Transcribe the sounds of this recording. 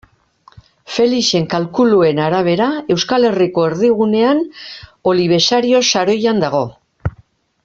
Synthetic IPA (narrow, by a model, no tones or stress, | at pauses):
fe̞lise̞ŋkalkulue̞naɾaβe̞ɾae̞wskale̞riko̞e̞ɾðiɣ̞une̞ano̞liβ̞e̞saɾio̞saɾo̞jand̪aɣo̞